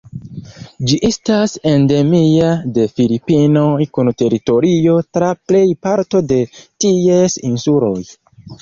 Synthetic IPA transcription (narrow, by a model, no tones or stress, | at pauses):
d͡ʒiʔestase̞nde̞miade̞filipino̞jkunte̞ɾito̞ɾio̞tɾaple̞jpaɾto̞de̞tiesinsulo̞j